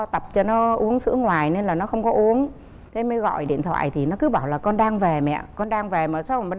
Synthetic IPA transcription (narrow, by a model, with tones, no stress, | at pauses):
t̪ə˨˩p̚t͡ɕɔ˧nɔ˨˦ʔu˨˦əŋsɨ̰˧˥əŋwaː˨˩jne˧nlaː˨˩nɔ˨˦xə˧wŋ͡mkɔ˨˦ʔu˨˦əŋ | t̪ʰe˨˧˦m˧˨˧ɣɔ̰˧˨jɗḭ˧˨ənt̪ʰwa̰ː˧˨jt̪ʰi˨˩nɔ˨˦kɨ˨˦ɓaː˧˩wlaː˨˩kɔ˧nɗaː˧ŋve˨˩mɛ̰˧˨kɔ˧nɗaː˧ŋve˨˩məː˨˩sa˧˦wm˨˩